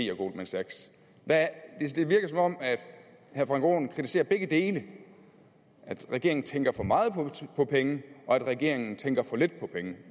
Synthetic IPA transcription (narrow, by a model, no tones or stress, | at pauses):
ḭːɐɡ̥o̝ːlmensæɡ̥s | d̥æd̥e̝d̥e̝ʋiɐɡ̥ð̩sɒ̽mɒ̽m̰æd̥ | hæɐfʁɑ̈ŋɡ̥o̝̰ːnkʰʁit͡sʰi̥se̝̰ːɐb̥eɡ̥əd̥e̝ːlə | ʔæd̥ʁɛɡ̥e̝ɐ̰eŋn̩t͡sʰeŋɡ̥ɐfɒ̽mɑ̈ːð̞̩ˠpʰpʰɒ̽pʰeŋəʔɒ̽æd̥ʁɛɡ̥e̝̰ɐ̰e̝ŋn̩t͡sʰeŋɡ̥ɐfɒ̽le̝d̥̚pʰɒ̽pʰeŋə